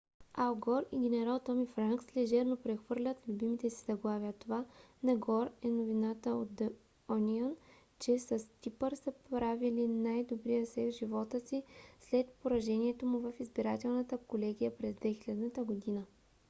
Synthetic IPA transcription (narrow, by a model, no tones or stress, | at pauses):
alˠɡɔɾiɡ̟ʲɛnɛɾalˠt̪ɔmifɾaŋkslɛʒɛɾnopɾɛxvɤɾlʲət̪lʲubimit̪ɛsizɐɡlˠavjət̪ovanɐɡɔɾɛnovinat̪əo̰t̪d̪ | ɔnʲiən | t͡ʃɛsɐst̪ʲipəɾsəpɾavilinajd̪obɾijəsɛk̪ʒivɔt̪əsislɛt̪poɾɐʒɛniɛt̪omʊvɐfizbiɾat̪ɛlˠnət̪əkolɛɡ̟ʲijəpɾɛzd̪vɛxilʲɛd̪nət̪əɡod̪inə